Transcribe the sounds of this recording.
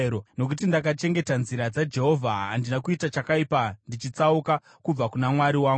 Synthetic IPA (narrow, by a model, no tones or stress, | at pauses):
ono̞k̬ut̬indak̬at͡ʃe̞ŋɡe̞tanziɾad͡zad͡ʒe̞ɦo̞vʱaːndinakuitat͡ʃakaipandit͡ʃit͡sauka | kub͡vakunamwaɾiwaːŋɡ